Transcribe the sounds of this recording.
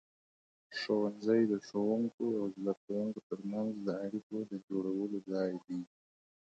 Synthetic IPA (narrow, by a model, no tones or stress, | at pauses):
ʂowanzajd̪əʂowuŋkoawzlakawuŋkot̪əɾmanzləaɽikod̪əd͡ʒoɽawəlozɑjd̪i